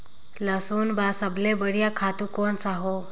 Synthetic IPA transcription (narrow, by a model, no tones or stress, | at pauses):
ləsuːnbasəblebəɽjakʰat̪ukonsaɦo